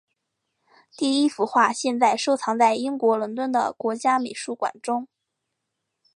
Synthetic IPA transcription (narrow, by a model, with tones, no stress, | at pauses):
t̪i˥˩i˥fu˧˥xwa˥˧ɕjɛ˥˧nt͡sa˥˩ɪʂo˥ʊt͡sʰɑ˧˥ŋt͡sa˥˩ɪi˥ŋkwɔ˧˥lwə˧˥nt̪wə˥˩nd̪ə̰˨˩kwɔ˧˥t͡ɕja˥me˨˩ɪʂu˥˩kwa̰˨˩nʈ͡ʂʊ˥ŋ